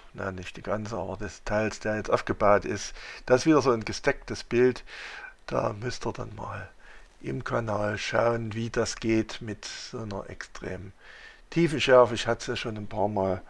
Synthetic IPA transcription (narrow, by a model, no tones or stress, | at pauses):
na̰nɪçt̚d̥iːɡ̥ant͡səʔa̰ːbɐdɛstʰaɪlsd̥eːɐjɛt͡stʔaʊfɡ̥əbaʊtɪstd̥aːɪsv̥iːdɐzoːnɡəstɛk̚təsb̥ɪltd̥a̰ːmʏstiːɐda̰nma̰ːl | ʔɪ̰mkʰanaːlʃa̰ʊənviːd̥asɡ̥eːtmɪtz̥oːnɐ̰ʔɛ̰kstʁ̥ḛːmən | tʰiːfn̩ʃɛɐfəɪçhatəsjaʃoːnanpʰaːɐmaːl